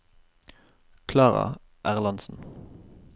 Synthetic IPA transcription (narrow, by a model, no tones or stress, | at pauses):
kʰlɑːʁɑ̰ | ʔæʁlɑnsn̩